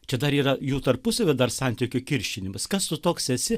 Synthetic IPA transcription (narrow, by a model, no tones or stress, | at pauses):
t͡ʃʲɛd̪ɐɾiːɾɐjuːt̪ɐrpʊsɐʋʲɛd̪ɐrsɐnʲt̪ʲɪkʲʊkʲɪɾʲʃʲɪnʲɪmɐskɐssʊt̪oːksɛsʲɪ